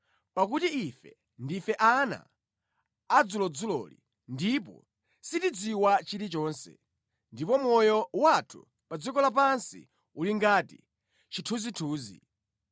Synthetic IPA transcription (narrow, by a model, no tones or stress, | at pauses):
pakutiifɛ | ndifɛʔana̰ː | d͡zulɔd͡zulɔ̰lḭ | ndip̬ɔ̰ | sitid͡ziwat͡ʃiɾit͡ʃɔːnsɛ̰ | ndipɔmɔjɔwatʰu | pad͡zikɔlap̬ansḭ | uliŋɡatḭ | t͡ʃitʰuzitʰuːzḭ